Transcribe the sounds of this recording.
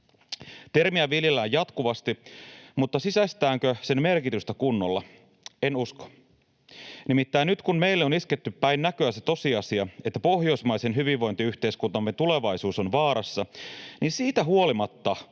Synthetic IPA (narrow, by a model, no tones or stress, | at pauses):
t̪ermiæʋiljelːæːjɑt̪kuʋɑst̪imut̪ːɑsisæst̪æːŋkøse̞nme̞rkit̪yst̪ækunːolːɑ̰ | enusko̥ | nimit̪ːæinyt̪kunme̞ilːeonisket̪ːypːæinnækøæset̪o̞siɑsiɑet̪ːæpo̞hjo̞ismɑisenɦyʋiʋːo̞jnt̪iyht̪e̞iskunt̪ɑmːet̪ule̞ʋɑisuːso̞nʋɑːɾɑsːɑninsiːt̪æɦuolimɑt̪ːɑ